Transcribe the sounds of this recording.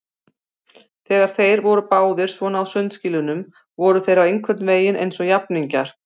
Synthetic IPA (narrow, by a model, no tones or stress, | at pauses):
θɛːɣaɾ̥θejɾvɔɾʏpaːwðɪɾ̥svɔnaːwsœnt̪sciːlʏnʏm | vɔɾʏθejɾawejŋkʰvɛɾt̪nveːjɪnʔḛjnsɔɣjapniɲcaɾ̥